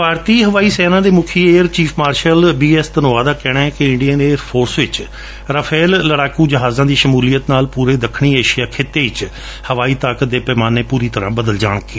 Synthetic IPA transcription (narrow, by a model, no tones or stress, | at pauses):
bʱaːɾt̪iːɦəʋaːiːsɛːnãːd̪eːmʊkʰieːəɾt͡ʃiːpʰmaːɾʃəlbiːɛst̪ənʊːaːd̪aːkɛːɽ̃ãːɛkɪɪɳɖijəneːəɾpʰoːɾsʋɪt͡ʃ | ɾəpʰeːlːəɽaːkuːd͡ʒəɦaːzãːd̪iːʃəmuːlijət̪naːlpuːɾeːd̪əkʰɽ̃iːeːʃijaːkʰeːt̪eːɪt͡ʃ | həʋaːiːt̪aːkət̪̚d̪eːpɛːmaːneːpuːɾiːt̪əɾãːbəd̪əld͡ʒa̰ːɳ̃kːe